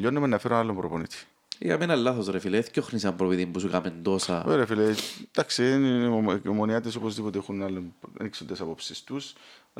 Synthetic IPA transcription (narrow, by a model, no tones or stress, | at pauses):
ʎːonːemenːɐfeɾonɐlːompɾoponit̪i̥ | ḭɐ̰menɐlːɐθosɾefileθcoxnisɐmpɾofit̪imbusukɐmend̪o̞sɐeɾefiled̪ɐksiðenomoniɐt̪isopozðipot̪eexunɐlːem̰niksond̪esɐpo̞psist̪us